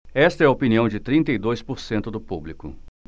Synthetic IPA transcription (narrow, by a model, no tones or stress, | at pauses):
ɛst̪ɐɛɐopiniɐ̃w̃d͡ʒɪt̪ɾĩnt̪ɐid̪ojspoɾsẽnt̪ʊd̪ʊpublikʊ̰